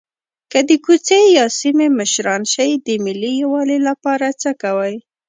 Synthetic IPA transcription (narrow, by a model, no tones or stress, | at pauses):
kəd̪əkut͡sejɑsimeməʃɾɑnʃajd̪əmɪlijwɑlelapɑɾat͡səkawaj